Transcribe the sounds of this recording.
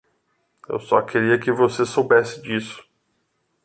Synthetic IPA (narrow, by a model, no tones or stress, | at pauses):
ḛwsɔkʰeɾiɐkɪvosesowbɛsɪd͡ʒisʊ̥